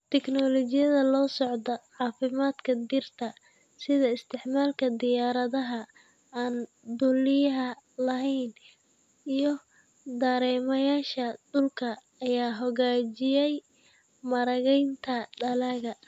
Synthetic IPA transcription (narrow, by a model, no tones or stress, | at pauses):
t̪ʰɛknɔlɔt͡ʃɪjɐðɐlɔːsɔʕd̪ɐʕɑːfɪmaːd̪kʰɐd̪ɪrt̪ʰɐ | sɪðɐɪst̪ʰɪʕmaːlkʰɐd̪ɪjaːɾɐðɐɦɐ | aːn | d̪ʊlɪjɐɦɐlɐɦɛjn | ijɞ | d̪ɐɾɛːmɐjaːʃɐɖʊlkʰɐː | jaːɦɔɣaːt͡ʃɪjɛj | mɐɾɐɣɛjnt̪ʰɐɖɐlɐɣɐ